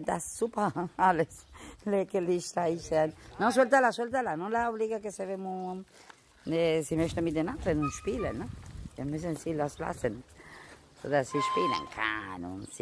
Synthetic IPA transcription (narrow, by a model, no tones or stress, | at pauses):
d̪asːupɐaləslekeliʃt̪aiʃtɛnnɔns̬ɔlt̪alasɔlt̪alanɔnlaobliɡakesevemu | nesimœçtənmit̚d̪enand̪ɾənʊnʃpiːlənːɛ̥amysənsilasla̰sən | so̰dassiʃpiːlə̰nkʰa̰nʊ̰nsi